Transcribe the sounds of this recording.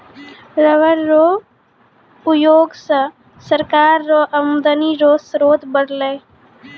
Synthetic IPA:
ɾəʋəɾːoː | ʊjoːɡsə | səɾkaːɾːoʔəmd̪əniɾoːsɾoːd̪bəɽleː

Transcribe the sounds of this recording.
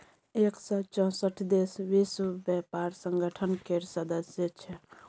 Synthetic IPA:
eksət͡ʃɔ̃səʈʰd̪esʋiswəbjɛpaɾsəŋɡəʈʰənkeɾsəd̪əsjet͡ʃʰɛ

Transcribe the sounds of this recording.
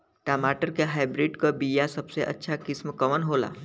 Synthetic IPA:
ʈamaʈəɾkeɦajbɾiɖkəbijasəbseʔɐ̰tːʃʰakɪsmkəʋənɦola̰

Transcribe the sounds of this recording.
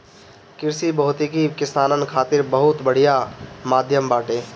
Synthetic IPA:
kɪɾsibəɦʊt̪ikikɪsaːnənkʰaːt̪ɪɾbəɦʊt̪bəɽ̤ijamaːd̪ʱjəmbaːʈẽː

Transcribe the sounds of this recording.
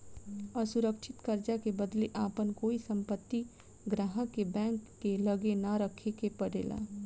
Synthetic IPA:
əsʊɾəkʃʰɪt̪kəɾd͡ʒakebəd̪leʔaːpənkoːisə̃mpət̪ːi | ɡɾaːɦãkebɛ̃ːŋkːeləɡenaɾəkʰekepəɽḛːla̰ː

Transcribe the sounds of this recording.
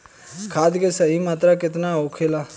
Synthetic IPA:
kʰaːd̪kesəɦimaːt̪ɾakɪt̪naoːkʰeːlaː

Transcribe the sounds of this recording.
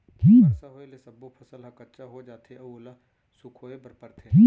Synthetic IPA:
kʰiːasaɦoːelesɐbːopʰɐsəlɦɐ̃kətːt͡ʃaɦod͡ʒaːt̪eɐʊla | sʊkʰɦoːebɐɾpəɾt̪ʰeiː

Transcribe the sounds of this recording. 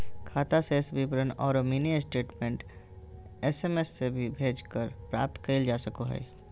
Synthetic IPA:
kʰaːt̪asesbipɾənɔ̰ːɾomiːniəsʈeːʈmẽːɳʈ | esemesːebʱibʱeːd͡ʒkəɾpɾa̰ːp̚t̪kəɪld͡ʒaːsəkoɦɛ̰ː

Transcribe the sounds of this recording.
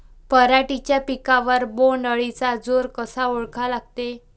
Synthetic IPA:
pəɾaʈit͡ɕjapikãʋəɾboɳɖəɭit͡sad͡zoɾkəsaoɭkʰalaɡ̚t̪e

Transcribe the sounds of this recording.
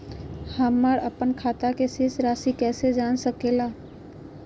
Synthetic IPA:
həməɾəpənkʰat̪akesesɾasikɛːsed͡ʒansəkela

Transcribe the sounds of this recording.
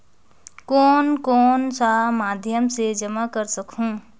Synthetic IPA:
kɔːnkɔːnsamad̪ʱjəmsed͡ʒəmakəɾsəkɦũː

